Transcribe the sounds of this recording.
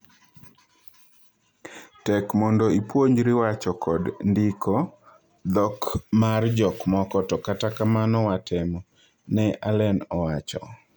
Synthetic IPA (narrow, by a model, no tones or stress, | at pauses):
tɛkmɔndɔipwoɲd͡ʒɾɪwat͡ʃɔkɔdndɪkʰɔ | d̪ɔkmard͡ʒɔkmɔkɔtɔkatakamanɔwatʰɛmɔ | nɛʔalɛnɔwat͡ʃɔ̰